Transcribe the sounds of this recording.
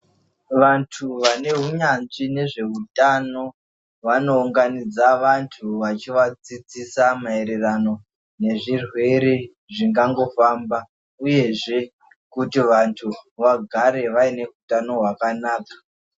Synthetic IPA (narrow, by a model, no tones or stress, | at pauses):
ʋantʰuʋane̞ɦuɲanʐine̞ʐe̞ɦutano̞ | ʋano̞uŋɡanid͡zaʋantʰuʋat͡ʃiʋat͡sid͡zisamaeɾerano̞ | ne̞ʐirwe̞ɾe | ʐiŋɡaŋɡo̞famba | uje̞ʐe̞ | kutiʋantʰuʋaɡʱaɾe̞ʋaine̞ɦutano̞ɦwakanaːkḁ